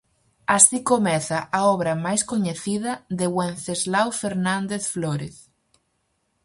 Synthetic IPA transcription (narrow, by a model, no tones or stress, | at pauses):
asikomɛθaʔaɔβɾamajskoɲeθið̞ɐðeɣwẽnθezlawfeɾnãnd̪eθfloɾeθ